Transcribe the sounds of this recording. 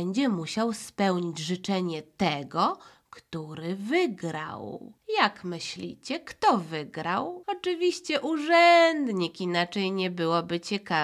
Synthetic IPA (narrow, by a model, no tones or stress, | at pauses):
ɛɲd͡ʑɛmuɕawspɛwɲid͡ʑʐɘt͡ʂɛɲɛt̪ɛɡɔ | kt̪uɾɘvɘɡɾa̰wjakmɘɕlʲḭt͡ɕɛkt̪ɔvɘɡɾawɔt͡ʂɘvʲiɕt͡ɕɛʔuʐɛnd̪ɲikinat͡ʂɛjɲɛbɘwɔbɘt͡ɕɛka